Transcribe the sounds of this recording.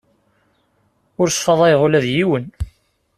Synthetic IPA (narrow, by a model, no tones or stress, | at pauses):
ʊɾsˤfɑðˤæjʁʊlæðjiwən